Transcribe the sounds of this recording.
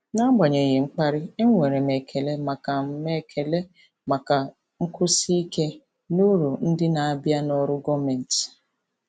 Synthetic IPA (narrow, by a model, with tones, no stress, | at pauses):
na˦ɡ͡ba˨ɲe˨ɣe˨ŋ͡m̩˦k͡pa˦ɾɪ˦e˦ŋʷe˨ɾe˨me˨kʰe˨le˦ma˨ka˨me˨kʰe˨le˦ | ma˨ka˨ | ŋ̩˦kʊ˦si˦i˦ke˦ | nu˦ɾu˨n̩˦dɪ˦na˨a˦bja˦nɔ˦ɾʊ˦ɡɔ˦me˨n̩˨tɪ̥˨